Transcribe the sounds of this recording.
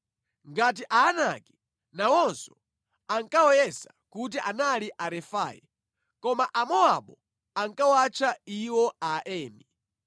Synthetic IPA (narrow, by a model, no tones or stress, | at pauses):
ŋɡat̬iʔaːnakɛ | nawɔnsɔ̥ | aŋkawɔjɛsakut̬iʔanaliʔaɾɛfa̰ːjḭ | kɔmaʔamɔaɓɔ | aŋkawat͡ʃʰaiwɔaʔɛːmi